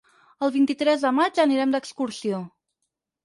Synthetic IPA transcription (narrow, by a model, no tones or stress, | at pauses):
əlˠβint̪it̪ɾɛzðəmad͡ʒəniɾɛmd̪əkskuɾsio